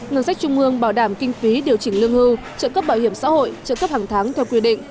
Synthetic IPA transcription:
ŋə˧nsa˦˥jk̚t͡ɕʊ˧ŋ͡mʔɨ˧əŋɓaː˧˩wɗaː˧˩mkï˧ŋ̟fi˨˦ɗi˨˩əwt͡ɕï˧˩ŋlɨ˧əŋhɨ˧w | t͡ɕə̰ː˧˨nkə˦˥p̚ɓaː˧˩whi˧˩əmsa̰ː˧˥ho̰˧˨jt͡ɕə̰˧˨nkə˦˥p̚haː˨˩ŋt̪ʰaː˨˦ŋt̪ʰɛ˧wkwi˧ɗḭ̈˧˨ŋ̟

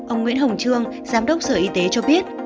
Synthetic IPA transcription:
ʔə˧wŋ͡mŋwḭ˧˥ənɦə˨˩wŋ͡mt͡ɕɨ˧əŋ | zaː˨˦mɗə˦˥wk͡p̚səː˧˩ʔi˨˦t̪e˨˦t͡ɕɔ˧ɓi˦˥ət̚

